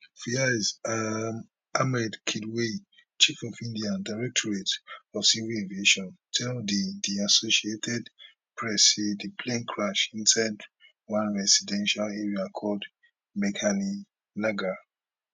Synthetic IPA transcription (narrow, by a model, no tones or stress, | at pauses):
fiazam | amɛdkʰidwet͡ʃifɔfĩndiãndaɪɹɛk̚tʰɔɹetɔfsiviẽvieʃɔ̃ntʰɛldidiasosietʰɛd | pʰɹɛsidipʰlẽnkʰɹaʃĩnsad | wãnɹɛsidɛ̃nʃaleɹiakʰɔld | mɛkʰani | naɡa